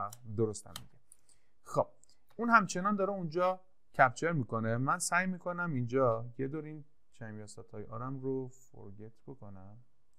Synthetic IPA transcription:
d̪oɾost̪æ̰mːḭɟe | xob̥̚ | unhæmt͡ʃʰe̞nɒːnd̪ɒːɾeund͡ʒɒː | cʰæbt͡ʃʰe̞ɾmiːko̞nemænsæjmiːkʰo̞næmind͡ʒɒjed̪oɾin | t͡ʃʰæmjɒːsæt̪ʰɒːjeʔɒ̰ːɾæmɾofo̰ɾɡet̪ʰb̥o̞kʰo̞næm

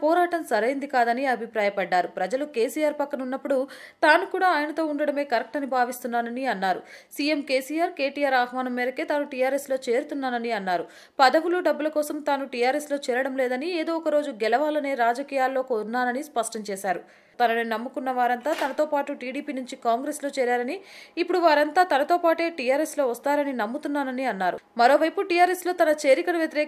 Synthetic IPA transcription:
pɔːɾaːʈɐmsɐɾɐjind̪ikaːd̪ɐniɐbʱipɾaːjɐpɐɖːaːɾupɾɐd͡ʒɐluke̞ːsijaːɾpɐkːɐnunːɐpːuɽut̪aːnukuːɽaːaːjɐnɐt̪o̞ːuɳɖɐɽɐme̞ːkɐɾɐk̚ʈɐnibʱaːʋist̪unːaːnɐniɐnːaːɾṵsiːje̞mkeːsijaːɾke̞ːʈijaːɾaːɦʋaːnɐmːeːɾɐkeːt̪aːnuʈijaːɾeslo̞ːt͡ʃe̞ːɾut̪unːaːnɐniɐnːaːɾu | pɐd̪ɐʋuluɖɐbːulɐkɔːsɐmt̪aːnuʈijaːɾeslo̞ːt͡ʃɛːɾɐɽɐmlɛːd̪ɐnieːd̪o̞ːɔkɐɾo̞ːd͡ʒuɡɛlɐʋaːlɐne̞ːɾaːd͡ʒɐkiːjaːlːo̞ːkoːɾnːaːnɐnispɐʂʈɐɲt͡ʃɛːʃaːɾu | t̪ɐnɐnunɐmːukunːɐʋaːɾɐnt̪aːt̪ɐnɐt̪o̞ːpaːʈuʈiːɽiːpiːnuɲt͡ʃikaːŋɡɾesloːt͡ʃɛːɾaːɾɐniːpːuɽuʋaːɾɐnt̪aːt̪ɐnɐt̪o̞ːpaːʈe̞ːʈijaːɾeslo̞ːʋɐst̪aːɾɐninɐmːut̪unːaːnɐniɐnːaːɾṵmɐɾo̞ːʋɐjpuʈijaːɾeslo̞ːt̪ɐnɐt͡ʃe̞ːɾikɐɽɐʋjɐt̪iɾɛː

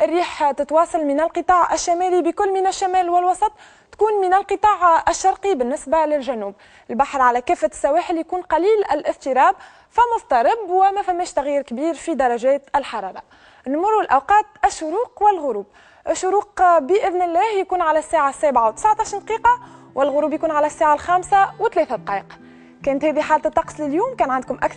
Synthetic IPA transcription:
ʔɪrːiːħt̪ɪt̪wɑːsˤɑlmɪnælqɨt̪ˤɑːʕʔæʃːæmæːlibəkʊlːmɪnæʃːæmæːlwɪlwɑsˤɑt̪ˤː | kuːnmɪnælqɨt̪ˤɑːʕɪʃːɑɾˤqibɪnːɪsbalɪlʒænuːb | ɪlbaħɾʕalækɛːfːæsːæwæːħɪljkuːnqɑliːlʔɪlʔɪft̪iɾɑːb̚ | fɪmːʊsˤt̪ɑɾˤɪbwɪmæfæmːɛːʃt̪æɣjiːɾkbiːɾfid̪ɑɾˤɑʒɛːt̪ɪlħɑɾˤɑːɾˤɑ | nmʊɾˤuɪlʔawqɑːt̪ɪʃːʊɾuːqwɪlɣʊɾuːb | ʔɪʃːʊɾuːqbəʔɪðnɪlːɛːhjkuːnʕalæsːæːʕasːæːbʕawt̪ə̥sʕt̪ˤɑːʃɾd̪qiːqɑwʔɪlɣʊɾuːbjkuːnʕalæsːæːʕalxæːmsawɪt̪ːlɛːθad̪̚qɑːʔəq | kɛːnət̪hɛːðiħaːlt̪t̪ˤːɑqsˤlɪljuːmkɛːnʕand̪kʊmʔækθ

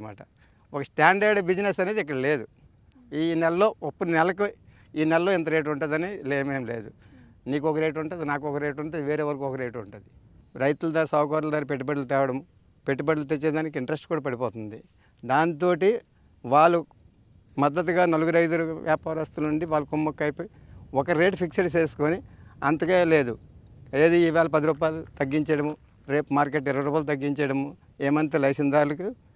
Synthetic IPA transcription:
ma̰ːʈɐ | ɔkɐsʈaːɳɖeɾɖbid͡ʒinesɐne̞ːd̪ikːɐɽɐle̞ːd̪u | iːnɛlɐlo̞ːopːuninɛlɐku | iːnɛlɐloːint̪̬ɐɾeːʈ̬uɳʈaːd̪ɐnileːmeːmle̞ːd̪u | niːk̬ɔkɐɾeːʈ̬uɳʈaːd̪inaːkɔkɐɾeːʈuɳʈaːd̪iʋeːɾeːʋɐɾɐkuɔkɐɾeːʈuɳʈud̪i | ɾɐjt̪ulɐd̪aːɾisɐwkaːɾuld̪aːɾipeʈːipɐʈlut̪ɛːʋɐɽɐm | peʈːibɐɖlut̪et͡ʃːed̪aːnik̬iiɳʈɐɾesʈkuːɽaːpɐɽipɔːt̪und̪i | d̪aːnit̪̬o̞ːʈi | ʋaːɭːu | mɐd̪ːɐt̪̬uɡaːnɐluɡuɾɐjt̪̬uluʋjaːpaːɾɐɐst̪uluɳɖiʋaːlːukumːɐkːɐjpuɔkɐɾe̞ːʈpʰikseʈt͡ʃeːsu̥koːniɐnt̪ɐkeːle̞ːd̪ueːd̪uiʋɛːlɐp̬ɐd̪iɾuːp̬aːjlut̪ɐɡːiɲt͡ʃɐɽɐmu | ɾe̞ːpmaːɾkeʈ̬ːiɾɐʋɐɾuːpajlut̪ɐɡːiɲt͡ʃɐɽɐmu | ɛːmɐnt̪̬elɐjsind̪aːɾlɐku

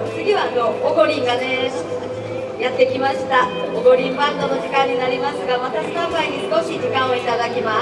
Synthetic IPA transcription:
t͡sɨɡʲiβanooɡo̞ɾʲĩŋɡane̥ | jat̪ːe̞kʲimaɕi̥t̪aoɡo̞ɾʲĩmbãnd̪ono̞ʑikãɲ̟ːinaɾʲimasɨɡamat̪asɨ̥t̪amaiɲ̟isɨ̥ko̞ɕid͡ʑikãɰ̃o̞it̪ad̪akʲima

